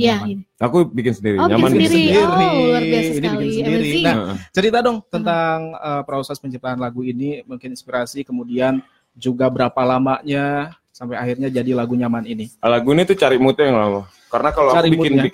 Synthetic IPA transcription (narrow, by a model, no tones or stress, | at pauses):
jaakubikɪnsəndiɾiɲamansəndiɾniinibikɪnsəndiɾinaht͡ʃəɾit̪adɔŋt̪ənt̪aŋəːpɾosɛspəɲt͡ʃip̚t̪aanlaɡuinimuŋkɪninspiɾasikəmudian | d͡ʒuɡabəɾapalamaʔɲa | sampajahirɲad͡ʒadilaɡuɲamaninilaɡuinit̪ut͡ʃaɾɪmut̪̚ajaŋlama | kaɾənakaloaaɾikbimuɪna